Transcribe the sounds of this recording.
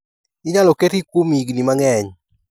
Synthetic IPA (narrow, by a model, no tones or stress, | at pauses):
ɪɲalɔkɛtikwomiɡnimaŋɛɲ